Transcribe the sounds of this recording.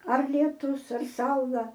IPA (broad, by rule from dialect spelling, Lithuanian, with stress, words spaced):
ɐr lʲiɛˈtʊs ɐr ˈsɐʊlˠɐ